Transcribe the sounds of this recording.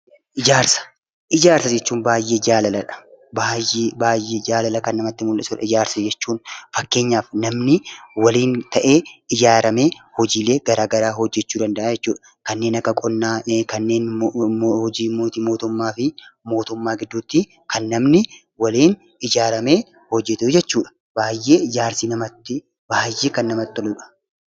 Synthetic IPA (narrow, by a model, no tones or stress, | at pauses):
ʔɪd͡ʒaːɾsɐ̥ | ʔɪd͡ʒaːɾsɐd͡ʒɛt͡ʃːuːnbaːjːe̞ːd͡ʒaːlɐlɐᶑɐ̥baːjːeːbaːjːeːd͡ʒaːlɐlɐkɐnːɐmɐt̪ːɪmʊlʔɛsʊᶑɐ̰ɪd͡ʒaːɾsɐd͡ʒɛt͡ʃːuːnfɐkːe̞ːɲːaːfnɐmnɪwɐliːnt̪ɐʔe̞ːɪd͡ʒaːɾɐmeːhɔd͡ʒiːle̞ːɡɐɾaːɡɐɾaːɦɔd͡ʒːɛt͡ʃːuːd̪ɐnd̪ɐʔaːjɛt͡ʃːuːᶑɐ | kɐnːe̞ːnɐkːɐkʼɔnːaːkɐnːe̞ːn | hɔd͡ʒiːmoːt̪iːmoːt̪ʊmːaːfɪmo̞ːt̪ʊmːaːɡɪd̪ːuːt̪ːɪ | kɐnːɐmnɪ | wɐliːn | ɪd͡ʒaːɾɐme̞ː | hɔd͡ʒːɛt̪ʊd͡ʒɛt͡ʃːuːᶑɐ̥ | baːjːe̞ːɪd͡ʒaːɾsiːnɐmɐt̪ːɪ | baːjːe̞ːkɐnːɐmɐt̪ːɔluːᶑɐ̥